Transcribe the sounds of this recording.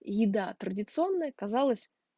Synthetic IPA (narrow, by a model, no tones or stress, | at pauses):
jɪd̪at̪ɾədʲɪt̪sɨo̞nːəjəkɐzalˠəsʲ